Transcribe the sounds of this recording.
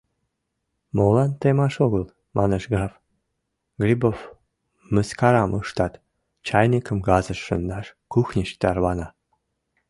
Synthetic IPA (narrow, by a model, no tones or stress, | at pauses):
molɑnt̪emɑʃoɣəlˠ | mʔɑnəʃɡrɑf | ɡrʲibof | məskɑɾɑmʔɯʃt̪ɑt̪ | t͡ɕɑjnʲikəmɡɑzəʃːə̰nd̪ɑʃkuxnʲiɕt̪ɑrβɑnɑ